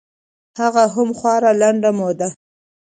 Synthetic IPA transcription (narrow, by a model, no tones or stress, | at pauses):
haɣaɦʊmxwɑɾalaɳɖamod̪a